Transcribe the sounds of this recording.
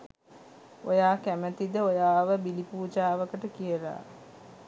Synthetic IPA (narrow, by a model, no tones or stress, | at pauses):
ojaːkæmət̪id̪əojaːʋəbilipuːd͡ʒaːʋəkəʈəkijəɾa̰ː